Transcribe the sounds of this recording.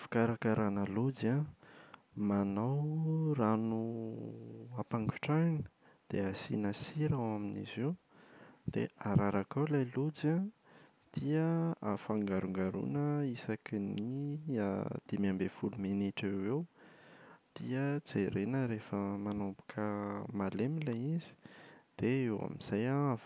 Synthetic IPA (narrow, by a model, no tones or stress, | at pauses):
fi̥kaɾakaɾʔanəlud͡za | manawranu | apaŋɡu̥ʈ͡ʂanə̥ | d̪̥easḭnəsiɾawaminḭziw | d̪̥ḛaɾaɾakawlajlud͡za | d̪̥iəafaŋɡaɾuŋɡaɾṵnəisakinḭ | d̪̥imiambefulumeniʈ͡ʂewew | d̪̥iəd͡zeɾenəɾefəmanopu̥kʰəmalemilaizi̥d̪̥eewa̰miz̥ajaa